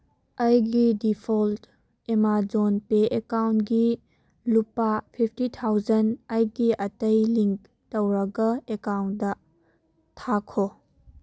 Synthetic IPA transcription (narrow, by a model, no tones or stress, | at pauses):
ɐjɡidipʰolt | emad͡ʒonpeʔekawntɡi | lupapʰipʰtitʰawd͡ʒɐnɐjɡiʔɐtɐjliŋk | tɐwɾɐɡɐekawnt̚dɐ | tʰakʰo